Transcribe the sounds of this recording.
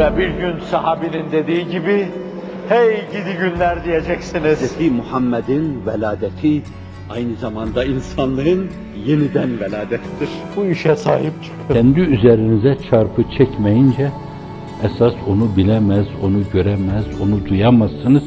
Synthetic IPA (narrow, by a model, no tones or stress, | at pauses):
vɛbiɾɟynsaɦaːbinind̪e̞d̪iːɟibi | hejɟid̪iɟynlʲæɾd̪ijed͡ʒɛcsinizimuhamːɛd̪invɛlʲaːd̪ɛt̪ʰi | ajnɯzamand̪ɑinsanlˠɯɯn | jenid̪ænvɛlʲaːd̪ɛt̪ʰid̪iɾ̥buiʃɛsa̰ːɦip̚t͡ʃʰø̥kʰɛnd̪iyzeɾinizɛt͡ʃʰaɾpʰɯt͡ʃʰɛcmɛjind͡ʒɛː | saso̞nubilʲɛmæzo̞nuɟø̞ɾɛmæzo̞nud̪ujamasɯnɯz̥